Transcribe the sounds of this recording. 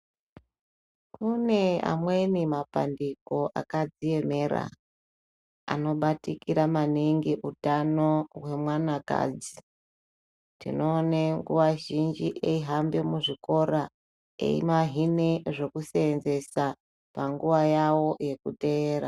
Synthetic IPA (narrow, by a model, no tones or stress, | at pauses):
kune̞a̰mwe̞nimapa̰ndiko̞ʔa̰kad͡zie̞me̞ɾa̰ | a̰no̞ɓatikiɾamaniŋɡeʔutano̞ɦwe̞mwanaka̰ːd͡zi | tḭno̞ːneŋɡṵʋaʒind͡ʒiʔeiɦambe̞muʐiko̞ɾa | ḛḭmaɦineʐe̞kuseːnze̞sa | paŋɡuʋajawo̞je̞kute̞eːɾa